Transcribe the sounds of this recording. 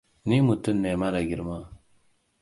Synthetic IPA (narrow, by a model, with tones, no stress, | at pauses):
ni˦mu˨t̪ə˦nːe˨ma˦la˨ɡi˨ɾma˦